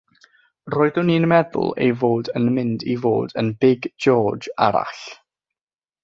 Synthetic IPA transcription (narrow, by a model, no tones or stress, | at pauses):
roːɨðʊniːnmɛðʊ̰lˠḛjvoːdənmɪndivo̰ːdənbɪɡd͡ʒɔːd͡ʒaɾa̰ɬ